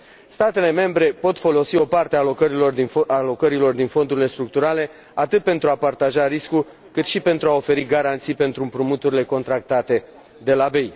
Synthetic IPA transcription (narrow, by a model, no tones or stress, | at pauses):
st̪at̪e̞le̞me̞mbɾe̞po̞t̪fo̞lo̞sio̞part̪ealokəɾilo̞rd̪ialo̞kəɾilo̞rd̪info̞nd̪uɾile̞st̪ɾuk̚t̪uɾale̞ | at̪ɨt̪̚pe̞nt̪ɾuapart̪aʒaɾisku | kɨt̪ʃipe̞nt̪ɾuao̞fe̞ɾiɡaɾant̪sijpe̞nt̪ɾumpɾumut̪uɾile̞ko̞nt̪ɾak̚t̪at̪e̞ | d̪e̞labe̞j